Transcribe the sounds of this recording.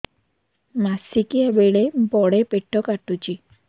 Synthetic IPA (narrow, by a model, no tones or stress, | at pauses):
masikiabeɭebɔɽepeʈʰːɔkaʈut͡ʃi